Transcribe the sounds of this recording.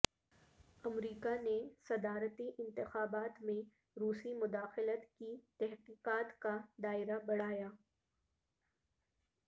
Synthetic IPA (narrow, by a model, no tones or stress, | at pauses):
ɐmɾiːkanesɐd̪aːɾət̪iʔɪ̃nt̪ɪxaːbaːt̪mẽ | ɾuːsimʊd̪aːxɪlət̪kit̪ɛɦqiːqaːt̪kad̪aːɪɾabɐɽ̤aːjaː